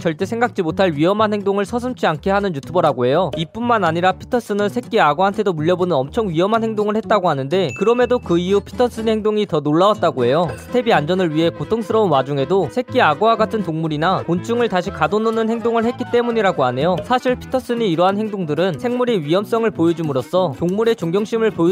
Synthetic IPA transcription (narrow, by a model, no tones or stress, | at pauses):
t͡ɕʌɭt͈e̞sʰeŋɡak̚t͡ɕ͈imotʰaɭɥiɦʌmɦanɦe̞ŋdoŋɯɭsʰʌs̬ʰɯmt͡ɕʰiankʰe̞ɦanɯnjutʰubʌɾaɡoɦe̞joip͈unmanaɲiɾapʰi̥tʰʌs͈ɯnɯɭsʰe̞k͈̚iaɡoantʰe̞domuʎːjʌbonɯnʌmt͡ɕʰʌŋɥiɦʌmɦanhe̞ŋdoŋɯɭhe̞t̚t͈aɡoɦanɯnde̞kɯɾʌme̞dokɯijupʰi̥tʰʌs͈ɯnhe̞ŋdoŋitʌnoɭːawat̚t͈aɡoɦe̞josʰɯ̥tʰe̞biand͡ʑʌnɯɭɥiɦe̞kotʰoŋsʰɯɾʌunwad͡ʑuŋe̞dosʰe̞k͈̚iaɡowaɡatʰɯntoŋmuɾinakont͡ɕʰuŋɯɭtaɕʰikadononɯnɦe̞ŋdoŋɯɭhe̞t̚k͈it͈e̞muɲiɾaɡoane̞josʰaɕʰiɭpʰi̥tʰʌs͈ɯɲiːɾʌɦanhe̞ŋdoŋdɯɾɯnsʰe̞ŋmuɾiɥiɦʌms͈ʌŋɯɭpojod͡ʑimuɾos͈ʰʌtoŋmuɾe̞t͡ɕoŋɡjʌŋɕ͈imɯɭpo